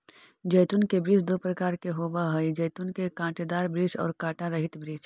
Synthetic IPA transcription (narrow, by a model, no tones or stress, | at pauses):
d͡ʒəjt̪unkebɾiːt͡ʃd̪opɾəkaːɾkeɦoːbaɦəid͡ʒɐːt̪unkekãːʈd̪aːɾbɾiːd͡ʒɔ̰ːɾkãːʈãɾɐɦɪt̪bɾiːd͡ʒ